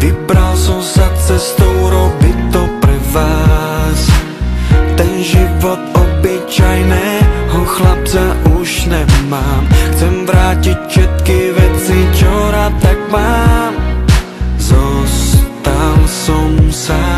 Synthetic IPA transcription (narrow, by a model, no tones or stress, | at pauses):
vibɾalsɔmsat͡sɛst̪ɔwɾɔbit̪ːɔpɾɛvaː | s | t̪ɛnʒivɔt̪ɔbit͡ʃajnɛːɦɔxlap̚t͡saʔuʃnɛmaːmxt͡sɛmvɾaːcicfʃɛt̪kivɛt͡sit͡ʃɔɾaːt̪ːaɡmaːm | zɔst̪alsɔmsa